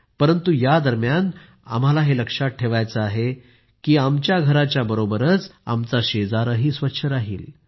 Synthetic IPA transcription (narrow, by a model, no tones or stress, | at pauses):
pəɾənt̪ujad̪əɾmjan | a̰m̤alaɦeləkʂat̚ʈʰeʋajt͡səaɦe | kiːamt͡ɕjaɡʱəɾat͡ɕjabəɾobəɾət͡sa̰mt͡saɕed͡zaɾəɦiːsʋətːɕʰəɾaɦḭːl